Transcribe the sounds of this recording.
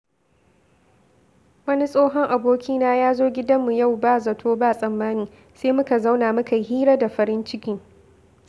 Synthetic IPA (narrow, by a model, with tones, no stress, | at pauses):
wɐ˦ni˦sʼoː˦ɦɔ˦ŋʔa˨boː˦kʲʰiː˦naː˦jaː˦zoː˦ɡʲɪ˦dɐ˦mːu˨ja˦˨wbaː˦zɐ˨tʰoː˦baː˦˨sʼɐ˨mːaː˦niː˨ | seː˦mʊ˦ka˨za˦wnaː˨mʊ˦ka˨ɦiː˦ɾa˦da˨ɸɐ˨˦ɾɪ˦nt͡ʃɪ˦kʲiː˦